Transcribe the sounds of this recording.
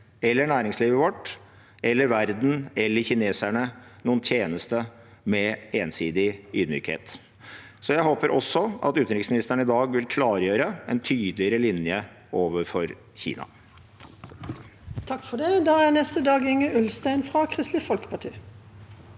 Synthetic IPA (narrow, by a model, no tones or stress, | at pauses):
ɛlːəɳæːɾɪŋsliːʋəʋɔʈː | ɛlːəɾʋæɾd̪n̩ɛlːəɾçɪneːsæɳənuːənt̪ʰjeːnəst̪ə | mɛeːnsiːd̪ɪyːd̪my̰ːkhḛːt̪ | sɔjæɪhoːpəɾʔɔsːɔʔɑ̰t̪ʉːt̪nɾɪksmɪnɪst̪əɳəɪd̪ɑːɡʋɪlkʰlɑːɾjøːɾəʔɛ̰nt̪ʰyːd̪lɪəɾəlɪnjə | ʔoːʋəɾfɔɾ | çḭːnɑ̰ | t̪ʰɑkːfɔɖɛd̪ɑːæʁnɛst̪əd̪ɑːɡɪŋːəʉlst̪æɪnfɾɑkʰʁɪst̪lɪfɔlkə̥pʰɑʈʰḭː